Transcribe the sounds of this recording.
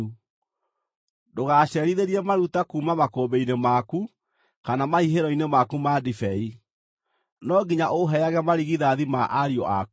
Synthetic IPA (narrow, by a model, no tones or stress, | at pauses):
doɣaɕɛɾiðeɾiɛmaɾutakuːmamakoːbeinemaku | kanamaiɦeɾɔinemakumadifɛi | nɔɡiɲaʔoɦɛaɣɛmaɾiɣiðaðimaʔaɾiɔ̰ʔa̰k